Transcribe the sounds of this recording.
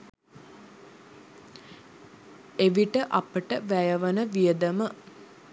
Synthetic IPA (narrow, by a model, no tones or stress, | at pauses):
eʋiʈəʔɐpəʈəʋæjəʋənəʋijəd̪əmə